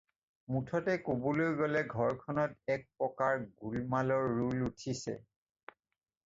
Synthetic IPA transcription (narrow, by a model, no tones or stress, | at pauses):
mutʰɔtɛkobolojɡɔlɛɡʱɔɹkʰɔnɔtɛk̚pɹɔkaɹɡulmalɔɹːulutʰisɛ̰